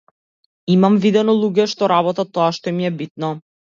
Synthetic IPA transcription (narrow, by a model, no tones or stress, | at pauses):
imamvid̪ɛnolˠuɡʲɛʃt̪oɾaβot̪at̪oɑʃt̪omʲiɛbit̪̚nɔ